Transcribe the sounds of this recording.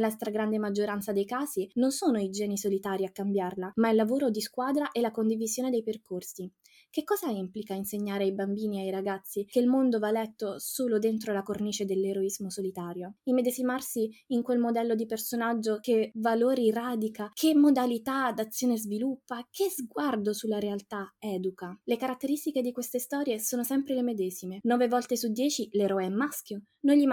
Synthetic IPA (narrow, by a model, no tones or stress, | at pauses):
last̪ɾaɡɾand̪emad͡ʒːoɾant̪sad̪ejkaːzinonsoːnoid͡ʒɛːnisolit̪aːɾiakːambjarlamaɛlːavoːɾod̪iskwaːd̪ɾaʔelakond̪ivizjoːned̪ejperkorsi | kekːɔːzaimplikainseɲːaːɾeajbambiːniajɾaɡat̪sːikeilmond̪ovalɛt̪ːosoːlod̪ent̪̬ɾolakorniːt͡ʃed̪elːeɾoizmosolit̪aːɾjoimːed̪ezimarsiiŋkwelmod̪ɛlːod̪ipersonad͡ʒːokevaloːɾiraːd̪ikakʰemːod̪alit̪ad̪at̪sːjoːnezvilupːakʰezɡward̪osulːaɾealt̪aɛːd̪ukalekaɾat̪ːeɾist̪iked̪ikwest̪est̪ɔːɾjesoːnosɛmpɾelemed̪ɛːzimenɔːvevɔlt̪esud̪jɛːt͡ʃileɾɔeɛmːaskjo | nojʎːim